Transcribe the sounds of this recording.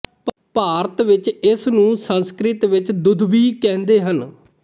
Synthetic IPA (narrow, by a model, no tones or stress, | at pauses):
paːɾət̪ʋɪt͡ʃɪsnũːsə̃nskɾɪt̪ʋɪt͡ʃd̪ʊd̪biːkɛ̃ːnd̪eːɦən